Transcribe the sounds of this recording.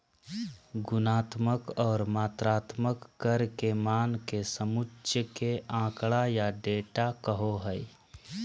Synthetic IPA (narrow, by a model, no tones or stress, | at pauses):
ɡʊnaːt̪məkɔːɾmaːt̪ɾaːt̪məkːəɾkemaːnkesəmʊt͡ʃʃəkeãːkɭajaɖeːʈakəɦoɦəi